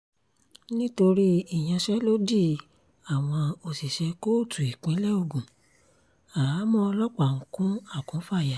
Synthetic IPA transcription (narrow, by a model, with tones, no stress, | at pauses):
nĩ˦to˧ɾi˦i˦˨j̃ã˧ʃɛ˦lo˦di˦˨ | a˨w̃ɔ̃˧o˧si˨ʃɛ˧ko˦˨tʰu˨i˨k͡pẽ˨˦lɛ˦o˧˨ɡũ˨ | a˨ɾa˨˦mɔ̃˦ɔ˧lɔ˦k͡pa˨ŋ̩̃˨kũ˦a˦˨kũ˨˦fa˦˨ja˨˦